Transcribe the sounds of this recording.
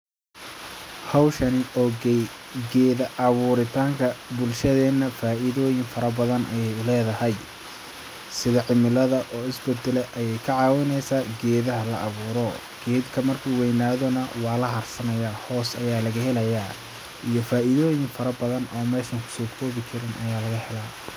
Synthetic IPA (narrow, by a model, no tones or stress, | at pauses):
hɑwʃɐnɪɔːɡɛj | ɡɛːðɐʔɐβuːɾɪt̪ʰaːŋkʰɐbʊlʃɐðɛːnɐfaːʔɪðɔːjɪŋfɐɾɐbɐðɐnʔɐ̰jɛjʊlɛːðɐhɐj | sɪðɐʕɪmɪlɐðɐʔɔːɪsbɛd̪ɛlɛʔɐjɛjkʰɐʕɑːwɪnɛjsaːɡɛːðɐɦɐlɐʔɑβuːɾɔ | ɡ̥ɛːd̪kʰɐmɐrkʰuːwɛjnaːðɔnɐwɑːlɐɦɐrsɐnɐjaːhɔːsɐjaːlɐɣɐhɛlɐjaː | ijɔfaːɪðɔːjɪŋfɐɾɐbɐðɐnɔːmɛːʃɐŋkʰʊ̥sɔːkʰɔːβɪt͡ʃʰɪɾɪnʔɐ̰jaːlɐɣɐhɛlaː